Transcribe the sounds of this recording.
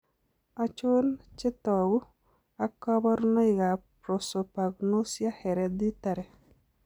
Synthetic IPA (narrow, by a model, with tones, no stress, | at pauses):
a˨t͡ʃʊ˦nt͡ʃɪ˦t̪ɔ˨ɡʊ˦ | a˦kɔ˦bɔ˦ɾnɔ˦ɪ˨ɡa˨pɾo˨so˨pa˨ɡno˦sja˦hɛ˨ɾɛ˨d̪i˦t̪a˨ɾɛ˨